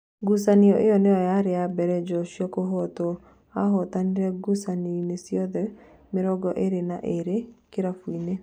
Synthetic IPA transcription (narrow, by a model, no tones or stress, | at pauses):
ɡusaniɔʔejɔneɔjaɾeabɛɾɛd͡ʒɔʃjɔkoɦɔtɔ | aɦɔtaniɾɛɡusaninesjɔðɛ | mɪɾɔɡɔʔeɾena̰ʔeɾekɪɾafwine